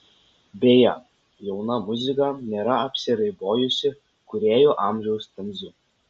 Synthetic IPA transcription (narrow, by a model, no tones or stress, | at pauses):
bʲeːjɛ̰ | jɛʊnɐmʊzʲɪkɐnʲeːɾɐɐpʲsʲɪɾɐɪboːjʊsʲɪ | kʊɾʲeːjoːʔɑːmʲʒʲɛʊst̪ʲɐnʲzʲʊ